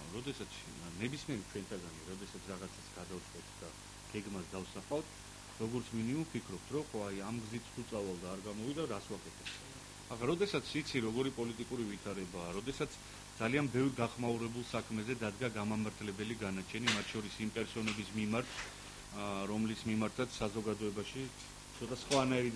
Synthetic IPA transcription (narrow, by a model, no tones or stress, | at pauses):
ɾɔd̪ɛsat̪sʰ | nɛbismiɛɾit͡ʃʰwɛnt̪ʰaɡaniɾɔd̪ɛsat̪sʰɾaʁat̪sʰasɡ̥ad̪avt̪ʼqʼwɛt̪ʰd̪a | ɡ̥ɛɡmasd̪afsaqʼaft̪ʰ | ɾɔɡɔɾt̪sʰminiumpʰikʰɾɔp̚t̪ʰɾɔχɔajamɡzit̪ʰut̪sʼavalˠd̪aːɾɡamɔvid̪aɾaswakʼɛt̪ʰɛb̥t̪ʰ | aχaɾɔd̪ɛsat̪sʰit̪sʰiɾɔɡɔɾipʼɔlit̪ʼikʼuɾivit̪ʰaɾɛbaːɾɔd̪ɛsat̪sʰ | d̪zalianbɛvɾɡaχmauɾɛbulˠsakʰmɛzɛd̪ad̪ɡaɡamamaɾt̪ʰlɛbɛliɡanat͡ʃʰɛnimat̪ʰʃɔɾisimpʼɛɾsɔnɛbismimaɾt̪ʰ | ɾɔmlismimaɾt̪ʰat̪ssazɔɡad̪ɔɛbaʃi | t̪sʰɔt̪ʼasχwanaɛɾi